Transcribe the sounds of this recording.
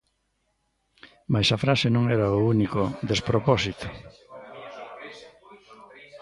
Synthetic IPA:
majsafɾasenõŋɛɾaounikoðespɾopɔsit̪ʊ̥

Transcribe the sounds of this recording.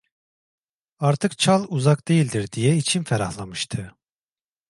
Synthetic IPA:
aɾt̪ʰɯkt͡ʃʰalˠuzakd̪e̞jilʲd̪iɾd̪ijɛit͡ʃʰinfɛɾahlˠamɯʃt̪ʰɯ

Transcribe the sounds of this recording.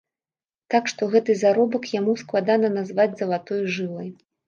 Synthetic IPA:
t̪akʂt̪ɔɣɛt̪ɨzaɾɔbɐkjamusklˠad̪anɐnazvad͡zʲzɐlˠat̪ɔjʐɨlˠɐj

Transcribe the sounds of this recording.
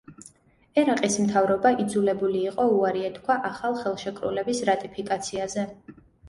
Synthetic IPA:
ɛɾaqʼismt̪ʰavɾɔbaʔid̪zulɛbuliːqʼɔuaɾiɛt̪kʰwaʔaχalˠχɛlˠʃɛkʼɾṵlɛbisɾat̪ʼipʰikʼat̪sʰiazɛ

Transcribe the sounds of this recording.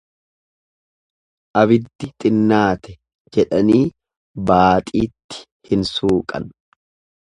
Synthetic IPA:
ʔɐβɪd̪ːɪt̪ʼɪnːaːt̪ɛ | d͡ʒɛᶑɐniː | baːt̪ʼiːt̪ːɪ̥ | hɪnsuːkʼɐ̰n

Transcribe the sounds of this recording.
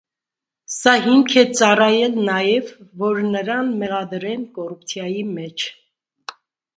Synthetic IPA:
sɑɦiŋkʰɛt͡sɑrɑjɛlnɑjɛvːɔɾnəɾɑnmɛʁɑd̪ɾɛnkɔrup̚t͡sʰjɑjimɛt͡ʃʰ

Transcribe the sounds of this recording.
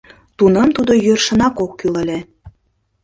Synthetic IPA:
t̪unɤ̆mt̪ud̪ojørʃə̆nɑkokːylə̆lʲe

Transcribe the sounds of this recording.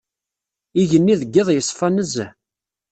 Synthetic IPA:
iʝənːiðəɡːeðˤjəsˤːfænəz

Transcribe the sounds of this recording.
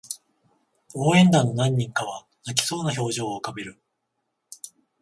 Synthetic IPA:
o̞ːẽ̞nd̪ãnːo̞nãɲ̟ːĩŋkaβa | nak̬ʲi̥so̞ːnaço̞ːʑo̞ːkame̞ɾɯ̟

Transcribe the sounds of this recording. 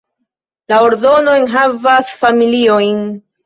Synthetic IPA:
lao̞ɾdo̞no̞jnɦavasfamilio̞jn

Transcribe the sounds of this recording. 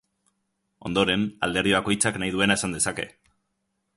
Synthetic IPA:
o̞nd̪o̞ɾe̞na̰ld̪e̞ɾðiβako̞jt͡saknaijð̞ue̞nae̞sand̪esake̞̰

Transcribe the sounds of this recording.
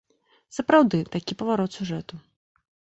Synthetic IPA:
sɐpɾawd̪ɨt̪akʲipɐvaɾɔt̪sʲuʐɛt̪u

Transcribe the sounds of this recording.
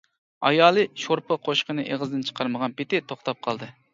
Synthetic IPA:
ɑ̰jɑːlˠɨʃoɾpʰəqʰoʃqənɨʔeʁəzd̪ɨnt͡ʃʰə̥qʰɑɾməʁɑnpet̪ɪt̪ʰoχt̪ɑp̚qʰɑlˠd̪ɨ

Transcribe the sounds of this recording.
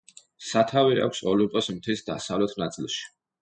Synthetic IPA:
sat̪ʰavia̰kʷʰsɔlipʼɔsmt̪ʰisd̪a̰savlɛt̪ʰnat̪sʼilˠʃi̥

